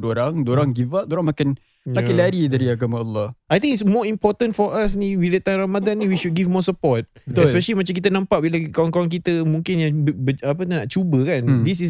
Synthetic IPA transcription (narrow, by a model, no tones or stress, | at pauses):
doɾaŋdoɾaŋɡivaʔ̚doɾaŋmakɪn | jmakɪnlaɾidaɾiaɡamaalːɔhʔajt̪ĩŋitsmɔimpɔt̪ə̃nfɔʔasniwilet̪anɾamadanːĩwiʃud̚ɡivmɔsəpɔt̪̚ɛspɛʃəlimãt͡ʃamk̬it̪̬ənãmpaʔbilakawaŋkawaŋk̬it̪əmũŋkɪnjabbəap̬ənnaʔt͡ʃubəkandis̬is